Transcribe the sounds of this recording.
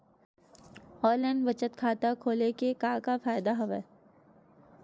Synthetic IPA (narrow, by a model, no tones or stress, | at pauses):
ɔːɾlɛ̃ɳɖʋɐt͡ʃət̪kʰaːt̪akʰoːlekekaːkafaːjd̪aɦɐʋɛ̰